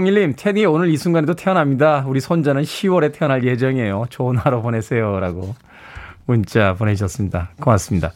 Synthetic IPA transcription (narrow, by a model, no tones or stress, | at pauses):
ŋiɭːimtʰe̞nionɯɾisʰuŋɡanedotʰe̞ʌnɦamɲidauɾisʰond͡ʑanɯnɕʰiwʌɾe̞tʰe̞ʌnɦaɭje̞d͡ʑʌŋie̞jot͡ɕonɦaɾopone̞sʰe̞joɾa̰ɡo | munt͡ɕ͈aponeiɕʰʌs͈ɯmɲidakɯmas͈ɯmɲida